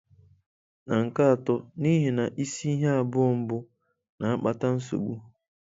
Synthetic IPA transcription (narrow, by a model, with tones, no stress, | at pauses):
na˨ŋ̩˨ka˦a˨tɔ˦ni˦ɦe˨na˨ʔi˦si˦i˦ɦe˦a˨bʊ˦ɔ˨m̩˦bʊ˦ | na˨a˦k͡pa˨ta˦n̩˦s̬o̰˨ɡ͡bu˦